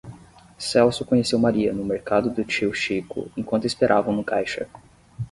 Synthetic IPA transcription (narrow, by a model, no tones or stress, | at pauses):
sɛwsʊkõɲesewmaɾiɐnʊmeɾkad̪ʊd̪ʊt͡ʃiwʃikʊ̰ẽkwɐ̃nt̪ʊispeɾʔavɐ̃w̃nʊkajʃɐ̰